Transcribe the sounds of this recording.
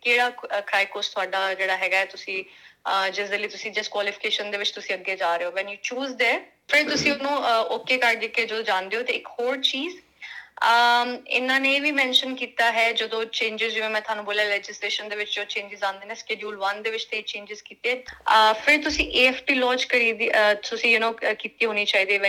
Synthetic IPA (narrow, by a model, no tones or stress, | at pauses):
keːɽaːkɾaːɪkoːst̪ʰʊaːɖaːd͡ʒeːɽaːɦɛːɡaːɛːt̪ʊsĩːəd͡ʒɪsd̪eːləiːt̪ʊsĩːd͡ʒɪskwaːlɪpʰɪ̥keːʃənd̪eːʋɪt͡ʃt̪ʊsĩːəɡːeːd͡ʒaːɾeoːʋɛ̃njuːt͡ʃuːzd̪eː | pʰɪɾt̪ʊsĩːʊnũːoːkeːkəɾd̪eːkeːd͡ʒəd̪oːd͡ʒãːnd̪eːoːt̪eːɪkhoːɾt͡ʃiːz | əɪ̰nːãːneːʋiːmɛ̃ːnʃənkiːt̪aːɦɛːd͡ʒəd̪õːt͡ʃẽːɲd͡ʒɪzd͡ʒɪʋẽːmɛ̃ːt̪ʊɦaːnũːboːljaːlɛːd͡ʒɪsleːʃənd̪eːʋɪt͡ʃd͡ʒõt͡ʃẽːɲd͡ʒɪzãːnd̪eːnẽːskeːɖjuːlʋənd̪eːʋɪt͡ʃt̪ẽːt͡ʃẽːɲd͡ʒɪzkiːt̪eːɛːpʰɪɾt̪ʊsĩːʔeːɛːfʈiːlɔːd͡ʒkəɾiːd̪it̪ʊsĩːjʊnõːkiːt̪iːɦoːniːt͡ʃaːiːd̪eːʋɛ